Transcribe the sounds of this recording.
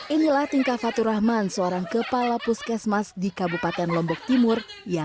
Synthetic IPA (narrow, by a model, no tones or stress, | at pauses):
ʔinilaht̪iŋkafat̪uɾahmansəoɾaŋkəpalapuskɛsmasdikabupat̪ɛnlɔmbɔk̚t̪imʊr | ja